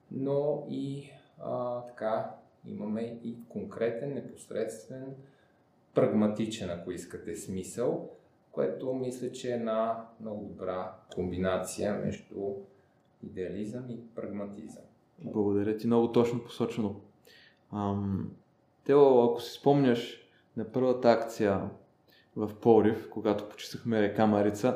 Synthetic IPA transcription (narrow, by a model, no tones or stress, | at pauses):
noi | t̪ɐ̥ka | ḭmɐmɛikoŋkɾɛt̪ɛnːɛpo̥sɾɛt̪st̪vɛn | pɾɐɡmɐt̪it͡ʃɛnɐkoiskət̪ɛsmisəlˠ | koɛ̰t̪omislʲət͡ʃɛːd̪namnɔɡʊdd̪obɾakombinat̪sijəmɛ̰ʒd̪u | id̪ɛɐlizəmipɾɐɡmɐt̪izə̰m | blˠəɡod̪ɐɾʲət̪imnɔɡot̪ɔt͡ʃnopo̥sɔt͡ʃɛno | əm | t̪ɛoɐko̥si̥spɔmnʲəʃ | nɐpɤɾvət̪əakt̪sijə | vɐfpɔɾifkoɡat̪o̥po̥t͡ʃi̥səxmɛɾɛkamɐɾit̪sə